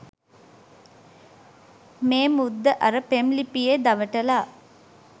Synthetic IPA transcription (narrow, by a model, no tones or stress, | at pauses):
meːmud̪ːəʔɐɾəpemlipijed̪ɐʋəʈɐlaː